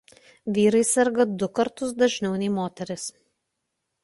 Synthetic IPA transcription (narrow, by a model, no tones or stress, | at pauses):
ʋʲiːɾɐɪsʲɛɾɡɐd̪ʊkɐɾt̪ʊsd̪ɐʒʲnʲɛʊnʲɛɪmoːt̪ʲɛɾʲɪs